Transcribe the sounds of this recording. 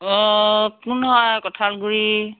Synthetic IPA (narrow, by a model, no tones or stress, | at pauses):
ɔkunɦɔjkɔtʰalɡuɹi